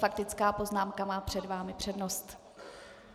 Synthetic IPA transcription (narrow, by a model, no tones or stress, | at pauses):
fak̚t̪ɪt͡skaːpo̞znaːmkamaːpr̝̥ɛdvaːmɪpr̝̥ɛdnost̪